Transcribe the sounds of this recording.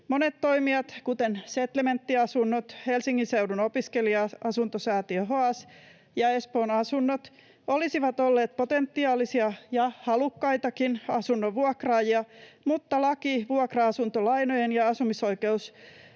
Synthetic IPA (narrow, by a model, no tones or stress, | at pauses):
monet̪toimiɑt̪kut̪enset̪lement̪ːiɑsunːot̪helsiŋːinseuɾunopiskeliɑɑsunt̪osæːt̪iøɦoɑs | jɑespoːnɑsunːot̪ | olisiʋɑt̪olːeːt̪̚pot̪ent̪ːiɑːlisiɑjɑhɑlukːɑjt̪ɑkinɑsunːoʋuɑkrɑːjiɑmut̪ːɑlɑkiʋuɑkrɑɑsunt̪olɑinojenjɑɑsumiso̞ikeus